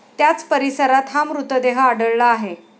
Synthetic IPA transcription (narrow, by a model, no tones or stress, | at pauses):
t̪jat͡spəɾisəɾat̪ɦamɾut̪əd̪eɦəːɽəɭːaːɦe